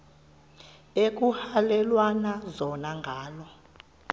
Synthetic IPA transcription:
ek̬ʼuhalɛlwanazɔnaŋɡʱaːlɔ

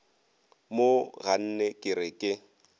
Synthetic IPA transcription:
moɣan̩nɛkʼɪɾɪkʼɪ

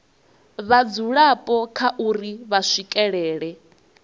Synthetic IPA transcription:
βad͡zuɺapʼɔkʰaʔuɾiβasʷikʼɛɺɛːɺɛ

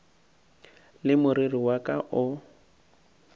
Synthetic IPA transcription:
lɪmʊɾiriwakʼaʔʊ

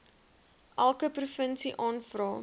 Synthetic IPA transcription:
ʔælˠkəprufənsiʔɑːnfrɑː

